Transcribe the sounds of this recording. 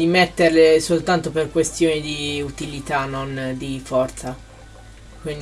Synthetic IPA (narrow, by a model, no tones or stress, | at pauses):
imet̪ːeɾlesolt̪ant̪operkwest̪joːnid̪iut̪ilit̪anːond̪ifɔrt̪sa | kwin